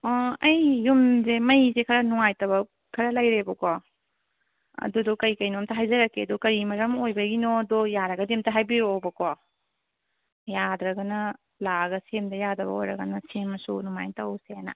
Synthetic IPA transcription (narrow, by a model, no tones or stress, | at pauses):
ɐjːumzemɐjzekʰɐɾɐnuŋajtɐβɐ | kʰɐɾɐlɐjɾebɐko | ɐ̰dudɔkɐjkɐjnomtɐɦajzɐɾɐkːeɐdukɐɾimɐɾɐmojbɐɡinodojaɾɐɡɐdemtɐɦajbiɾoobɐkʰo | jadɾɐɡɐnɐ | laɡɐsemdɐjadɐbɐ̰o̰jɾɐɡɐ̰nɐsemɐsṵnumajntɐwseanɐ̰